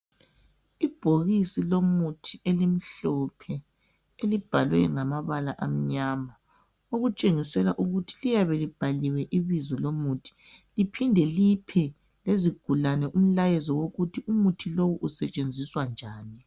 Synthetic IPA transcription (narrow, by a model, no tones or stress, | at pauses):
ib̥ʱoɣisilomutʰielim̩ɬɔpʰɛ | elib̥ʱalwɛ̰ŋamaβalaʔam̩ɲama | oɣut͡ʃʼeŋisɛlaʔuɣutʰi̥lijaβɛlib̥ʱaliwɛʔiβizɔlomutʰi̥lipʰindʱɛlipʰɛ | leziɡ̥ʱulanɛʔum̩lajɛzɔwoɣutʰiumutʰilowuʔusɛt͡ʃʼend͡zʱiswand͡ʒʱaːni